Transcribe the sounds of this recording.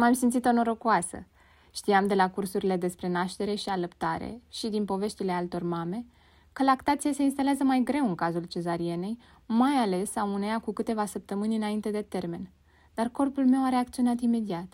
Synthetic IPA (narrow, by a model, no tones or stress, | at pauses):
mamsimt̪sit̪o̞noɾokuasə̰ | ʃt̪iamd̪e̞lakursuɾile̞d̪e̞spɾe̞naʃt̪e̞ɾe̞ʃialəpt̪aɾḛʃid̪inpo̞ve̞ʃt̪ile̞alt̪o̞rmame̞ | kəlakt̪at̪sijase̞ins̬t̪aleazəmajɡɾe̞wɨŋkazult͡ʃe̞zaɾie̞ne̞j | majale̞sauneakukɨt̪e̞vasəp̚t̪əmɨnʲɨnaint̪e̞d̪e̞t̪e̞rme̞n | d̪̥arko̞rpulme̞waɾeak̚t̪sio̞nat̪ime̞d̪iat̪